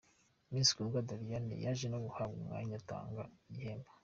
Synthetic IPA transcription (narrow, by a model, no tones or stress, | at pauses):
miːnsi̥kuɡadaɾijanḭjaʒenoɡuhabɡumŋa̰ːɲata̰ːŋɡajeːmba